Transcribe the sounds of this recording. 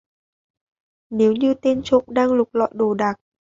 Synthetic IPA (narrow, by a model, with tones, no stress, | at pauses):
ne˨˦wɲɨ˧t̪e˧nt͡ɕo̰˧˨ŋ͡mɗaː˧ŋlʊ˨˩k͡p̚lɔ̰˧˨jɗo˨˩ɗaː˨˩k̚